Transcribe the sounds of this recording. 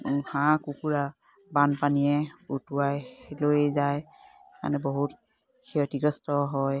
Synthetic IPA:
hãkukuɹa | banpanijɛutuwajlojezaj | ma̰nɛboɦut | kʰiɔtiɡɔstɔɦɔj

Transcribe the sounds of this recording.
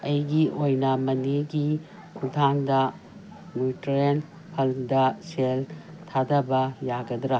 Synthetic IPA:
ɐjɡiʔojnɐmɐniɡi | kʰudʰandɐ | nutɾen | pʰɐldɐseltʰadɐbɐjaɡɐdɾɐ

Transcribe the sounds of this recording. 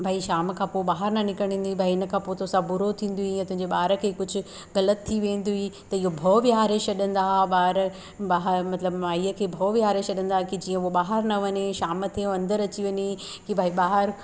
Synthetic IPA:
bʱaːiʃaːmkʰãːpoːɓaːɦəɾnɐnɪkəɽ̤̃ĩːn̆d̪ibʱaːiɪnə̆kʰãːpoːt̪ʰosãbʊɾot̪ʰĩːn̆d̪uiɐ̃t̪ʊ̃ɦɪ̃ɲd͡ʑeɓaːɦɾəkʰeːkʊd͡ʑʱʊ̆ | ɣɐlət̪ʰːiʋẽːnd̪uit̪ɐɪɦobʱoːʋijaːɾet͡ɕɐɗə̃nd̪aɦɓaːɾə | baːɦəmɐt̪ləbmaːiːəkʰeːbʱɐːʋiaːɾet͡ʃɐɗə̃n̆d̪aːɦkid͡ʑiːə̃oɓaːɦəɾnɐʋɐɲeʃaːmət̪ʰeɐ̃nd̪əɾɐt͡ɕiʋɐɲe | kibʱaːiɓaːɦəɾ

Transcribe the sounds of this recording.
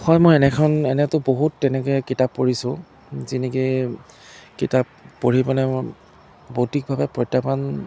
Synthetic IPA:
xɔjmɔjɛnɛkʰɔnɛnɛtʊboɦutːɛnɛkɔɛkitapːoɹisʊ̃ | zinɛki | kitapːoɹibɔnɛ | botik̚bʱabɛpɹɔjtːapan

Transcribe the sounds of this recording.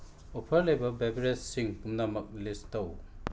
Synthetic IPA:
opʰɐɾlejbɐbebɾessiŋkumnamɐk̚listɐw

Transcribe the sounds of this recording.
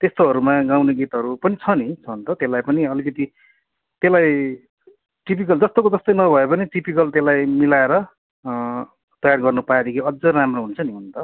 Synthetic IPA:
t̪est̪oɦʌɾumaɡawneɡit̪ɦʌɾupʌnit͡sʰʌnit͡sʰʌnt̪ʌt̪elajpʌniʌlikʌt̪i | t̪elaj | ʈip̬ikʌld͡zʌst̪okod͡zʌst̪ʌjnʌbʱʌepʌniʈipikʌlt̪elajmilaeɾʌ | t̪ʌjarɡʌrnupaed̪ekʰiʌd͡zʌramroɦunt͡sʰʌniɦunt̪ʌ

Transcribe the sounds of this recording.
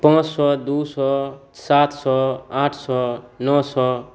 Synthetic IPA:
pãt͡ʃsɔd̪usɔ | sat̪ʰsɔãʈʰsɔnɔsɔ

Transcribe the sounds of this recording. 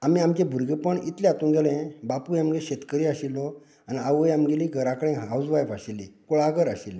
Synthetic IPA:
amiamt͡ɕẽbʱuɾɡepəɳḭt̪lẽat̪ũːnɡelẽbapujamɡẽɕet̪kəɾiːaɕilːɔ | aniaʋəjamɡeliɡʱəɾakəɽ̃ẽɦawd͡zʋajfaɕilːiːkoɭaɡəɾaɕilː

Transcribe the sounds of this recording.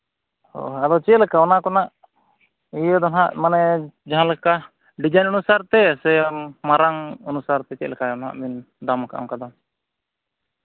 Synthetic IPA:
hɔ̰ad̪ɔt͡ʃɛlɛkaɔnakɔnaʔ | ijəd̪ɔnɦaʔmanɛd͡ʒaɦãlɛka | ɖid͡ʒajnɔnusaɾt̪ɛsɛmmaɾaŋɔnusaɾt̪ɛt͡ʃɛ̰ʔ̪lɛkaɔnɦa̰ʔmin | d̪amkaʔa̰mkad̪a

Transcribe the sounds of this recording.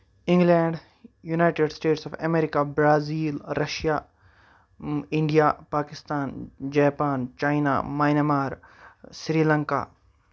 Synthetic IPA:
ɪ̃ŋɡlɛ̃ːɳɖ | junaːjʈeɖsʈeːʈsɔfɐmeːɾikabɾaːziːlɾɐʃja | ɪ̃ɳɖijapaːkɪst̪aːnd͡ʒɛːpaːnt͡ʃaːina̰maːjnemaːɾsɾiːlɐ̃ŋka̰ː

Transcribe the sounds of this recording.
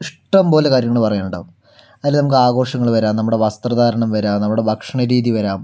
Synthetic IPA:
iʂʈɐmpo̞ːle̞kaːɾjɐŋːɐɭpɐrɐjeːuɳɖa̰ʋm | ɐðaːlːnɐmukːɨaːɡo̞ːʂɐŋːɐɭʋɐɾaːnnɐmːuɽe̞ʋɐst̪rɐðaːɾɐɳɐmʋɐɾaːmnɐmːuɽe̞bʱɐkʂɐɳɐɾiːðiʋɐɾaːm

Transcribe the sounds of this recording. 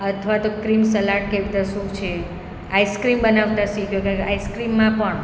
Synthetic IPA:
ət̪ʰʋat̪okɾimsəlaʈ̚keʋit̪əsũkt͡ʃʰe | aiskɾimbənaʋt̪asikʰjokeaiskɾimːãpəɳ

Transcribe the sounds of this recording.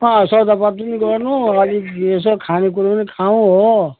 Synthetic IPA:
ʌsʌd̪apat̪uniɡʌrnuʌliesʌkʰanek̬uɾopʌnikʰaũɦo

